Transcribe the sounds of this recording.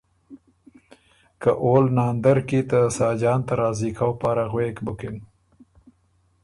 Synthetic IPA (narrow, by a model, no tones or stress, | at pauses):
kaʔoːlnɑːnd̪aɾkit̪əsɑːd͡ʒɑːnt̪aɾɑːzikawpɑːɾaɣwekbʊkɪn